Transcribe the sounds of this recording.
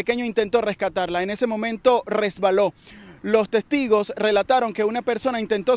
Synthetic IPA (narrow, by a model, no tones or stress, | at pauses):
eke̞ɲo̞int̪e̞nt̪o̞re̞skat̪aɾlae̞ne̞se̞mõ̞mẽ̞nt̪o̞re̞zβalo̞lo̞st̪e̞st̪iɣo̞sre̞lat̪aɾo̞ŋke̞unape̞ɾso̞naint̪e̞nt̪o̞